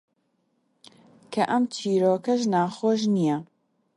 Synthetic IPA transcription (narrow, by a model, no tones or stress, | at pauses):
kʰɐʔɐmt͡ʃʰiːɾoːkɐʒnaːxoːʃnijɛ